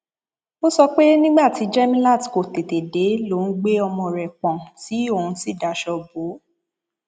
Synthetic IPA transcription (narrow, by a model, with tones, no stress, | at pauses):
mo˦sɔ˧k͡pe˦nĩ˦ɡ͡ba˦˨ti˨˦d͡ʒɛ˦mĩ˦la˦˨tko˨te˨te˨de˨˦lo˨˦n̩˦ɡ͡be˦ɔ˧mɔ̃˧ɾɛ˨k͡pɔ̃˨ti˨˦o˦˨ũ˧si˦˨da˨ʃɔ˧bo˨˦